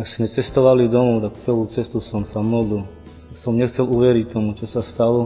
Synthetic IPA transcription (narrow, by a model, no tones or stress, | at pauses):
aksmɛt͡sɛst̪ɔʋalid̪ɔmɔʊt̪akt͡sɛlut͡sɛst̪usɔmsamɔd̪lil | sɔmɲɛxt͡sɛluʋɛɾict̪ɔmut͡ʃɔsast̪alɔ